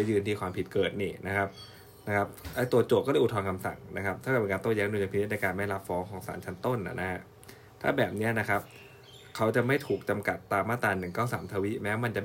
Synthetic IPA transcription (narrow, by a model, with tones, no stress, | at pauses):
a˧˩jɯː˧nt̪ʰiː˧kʰwaː˧mpʰi˨˩t̪̚kɤː˨˩t̪̚niː˧˩na˦˥kʰa˦˥p̚ | na˦˥kʰa˦˥p̚ʔa˦˥t̪u˧ɐt͡ɕo˨˩p̚kɔ˥˩ɤː˧˩ʔt̪ʰɔː˧nkʰa˧msa̰˨˩ŋna̰˦˥kʰa˦˥p̪̚ʰa˥˩ka˨˩pnkaː˧t̪ɔ˥˩ŋjɛː˦˥ŋduː˧t͡ɕa˧pi˧n̚˦˥n˧kaː˧nma˥˩la˦˥p̚fɔː˦˥ŋkʰɔː˩˦ŋsa̰ː˩˦nt͡ɕʰa˦˥nt̪o˥˩nʔa̰˨˩na˦˥ha˦˥ʔ | t̪ʰa̰ː˥˩bɛː˨˩p̚ni˦˥ɐna˦˥kʰa˦˥p̚ | kʰa˦˥wt͡ɕa˨˩ma˥˩jt̪ʰuː˨˩k̚t͡ɕa˧mka˨˩t̪ːaː˧mːaː˥˩t̪aː˧nːɯ˨˩ŋkaː˥˩wsaː˩˦mt̪ʰaː˧wi˦˥mɛː˦˥wma˧nt͡ɕa˨˩